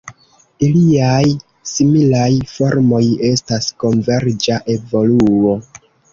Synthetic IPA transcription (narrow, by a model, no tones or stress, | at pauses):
iliaj | similajfo̞ɾmo̞je̞stasko̞nve̞ɾd͡ʒaʔe̞vo̞luo̞